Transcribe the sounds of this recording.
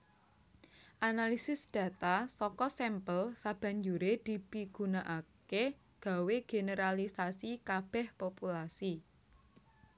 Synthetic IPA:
ʔanalisɪsd̪̥ä̤t̪asɔkɔsɛmpəlsab̥ä̤ɲd͡ʒuɾed̪̥i̤piɡ̥unaʔake | ɡ̥a̤weɡ̥e̤nəɾalisasikab̥ɛ̤hpopulasi

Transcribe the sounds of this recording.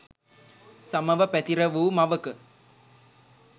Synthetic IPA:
samɐʋəpæt̪iɾəʋuːmɐʋəkə

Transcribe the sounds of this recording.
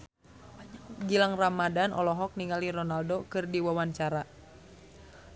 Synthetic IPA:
aɲaɡilaŋramadanʔɔ̰lɔɦɔk̚niŋaliɾɔnaldokɨrdiwawaɲt͡ʃaɾa

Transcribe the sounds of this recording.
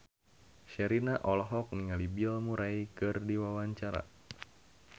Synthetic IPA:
ʃɛɾinaʔɔlɔɦɔk̚niŋalibilmuɾajkɨrdiwawaɲt͡ʃaɾa̰

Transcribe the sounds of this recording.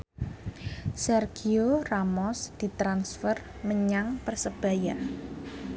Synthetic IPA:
sɛrɡ̥ioramɔsd̪̥i̤t̪ɾansfərməɲaŋpərsəb̥a̤ja

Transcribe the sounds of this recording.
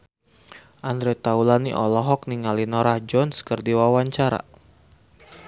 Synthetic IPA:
ʔand̪ɾɛt̪aulaniʔɔlɔɦɔk̚niŋalinɔɾahd͡ʒɔnskərdiwawaɲt͡ʃaɾa̰

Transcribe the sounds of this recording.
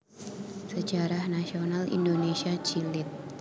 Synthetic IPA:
sə̥d͡ʒaɾahnasionalḭndonesiat͡ʃilɪt̪̚

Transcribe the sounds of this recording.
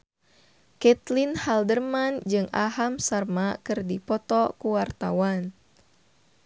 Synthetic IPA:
kɛt̪linhaldərmand͡ʒɨŋʔa̰ɦamsarmakɨrdipɔt̪ɔkuwart̪a̰wan

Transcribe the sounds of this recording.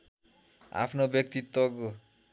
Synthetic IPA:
a̰pʰnobjʌk̚t̪it̪ːoɡo

